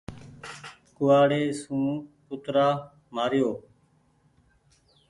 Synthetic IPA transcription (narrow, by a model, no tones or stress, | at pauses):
kʊʋaːɽeːsũːpʊt̪ɾaː | maːɾɪjoː